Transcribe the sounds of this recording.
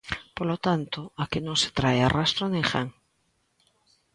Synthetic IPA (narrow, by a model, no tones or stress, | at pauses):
polot̪ant̪oakɪnõŋse̥t̪ɾajarast̪ɾonẽŋxaŋ